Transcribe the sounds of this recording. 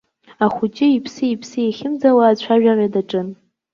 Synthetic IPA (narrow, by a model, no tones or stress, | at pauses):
aχʷut͡ʃʼɪipʰsɨipʰsɨjeχʲɪmd͡zawaːt͡ɕʷʰaʒᶣarʲadaʈ͡ʂʼɨn